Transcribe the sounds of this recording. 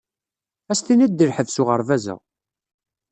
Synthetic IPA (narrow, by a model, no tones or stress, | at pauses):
æsθinæd̪ːəɾħəvsuʁəɾvæzə̰ʁ